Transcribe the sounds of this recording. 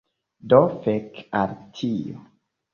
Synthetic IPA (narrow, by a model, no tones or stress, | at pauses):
dofɛkaɾtʰio